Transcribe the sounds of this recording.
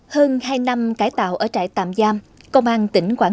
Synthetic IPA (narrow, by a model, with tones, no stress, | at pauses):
həː˧nhaː˧jna˧mkaː˨˩jt̪a̰ː˧˨wʔəː˧˩t͡ɕa̰ː˧˨jt̪a̰ː˧˨mzaː˧m | kə˧wŋ͡mʔaː˧nt̪ï˧˩˦ŋ̟kwaː˧˥